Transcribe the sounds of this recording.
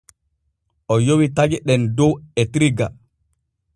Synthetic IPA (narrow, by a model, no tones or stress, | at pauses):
ʔɔjowitad͡ʒɛɗɛndɔwɛtɾiɡa